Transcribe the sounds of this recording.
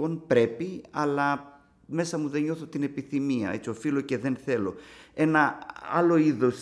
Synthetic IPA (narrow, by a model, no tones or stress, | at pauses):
o̞npɾe̞piɐ̰lɐ | me̞sɐmuðe̞ɲo̞θot̪ine̞piθimiɐ̰e̞̰t͡sio̞filo̞ce̞ðe̞nθe̞lo̞e̞nɐɐ̰lo̞iðos